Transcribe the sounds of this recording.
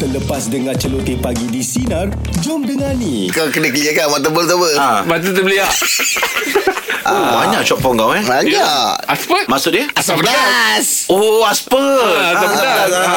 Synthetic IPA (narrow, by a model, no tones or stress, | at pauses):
t̪ələpasdəŋãt͡ʃəlot̪epaɡidisinar | d͡ʒɔmdəŋani | kakənəkəliəkamat̪̬əbəlt̪əbəamat̪̬ut̪əbəliaʔ | abaɲaʔt͡ʃɔpɔŋɡawɛbaɲaʔaspəmaʔsʊt̪̚diəasapənasoaspəasapəna